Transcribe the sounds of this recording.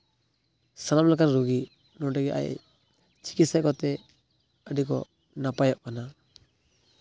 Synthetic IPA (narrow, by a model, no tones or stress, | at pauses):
salamlakaɾɾuɡi | nɔdɛɡɛʔa̰j | t͡ʃi̥kitsakɔt̪ɛ | adikɔ̰ | napajɔʔ̚kana